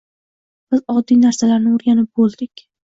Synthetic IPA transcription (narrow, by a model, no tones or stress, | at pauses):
b̥ɪzɒd̪ːijnaɾsalaɾnɪʊɾɡʲanɪp̚bolˠd̪ɪkʲ